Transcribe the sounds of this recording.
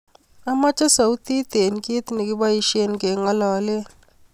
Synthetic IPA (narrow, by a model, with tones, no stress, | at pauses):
a˦ma˦t͡ʃʼa˦sa˨u˦t̪i˦t̪e˨n˨kʼi˦t̪ni˨k̬i˦ɓa˦ji˨ʃi˦e˦nke˨ŋa˦lɔː˨lɛ˦